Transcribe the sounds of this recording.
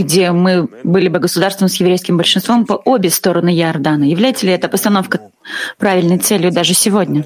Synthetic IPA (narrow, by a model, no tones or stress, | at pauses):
ɡdʲemɨbɨlʲɪbɨɡəsʊd̪arst̪vəmsjɪvɾʲejskʲɪmbəlʲʂɨnst̪vo̞mpəʔo̞bʲɪst̪o̞ɾənɨjɪɐrd̪anəjɪvlʲæjɪt̪əlʲɪɛt̪əpəst̪ɐno̞fkə | pɾavʲɪlʲnəjt̪sɛlʲjʊd̪aʐɨsʲɪvodʲnʲə